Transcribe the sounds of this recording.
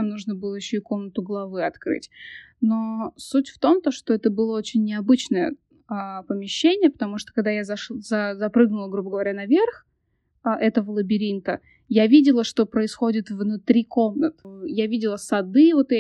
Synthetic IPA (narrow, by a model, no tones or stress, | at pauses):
amnuʐnəbɨlˠəjɪɕːoɪko̞mnət̪ʊɡlˠɐvɨɐt̪kɾɨ̰tʲ | no̞sutʲft̪o̞mt̪oʂt̪oɛt̪əbɨlˠəo̞t͡ɕɪnʲːɪɐbɨt͡ɕnəjə | apəmʲɪɕːenʲɪjəpə̥t̪ɐmuʂt̪o̥kɐɡ̚d̪ajazɐzɐzɐpɾɨɡnʊlˠəɡɾubəɡəvɐɾʲanɐvʲerx | ʔɛt̪əvəlˠəbʲɪɾʲint̪ə | javʲidʲɪlˠəʂt̪o̞pɾəɪsxo̞dʲɪt̪vnʊt̪ɾʲiko̞mnət̪ɨjavʲidʲɪlˠəsɐd̪ɨvo̞t̪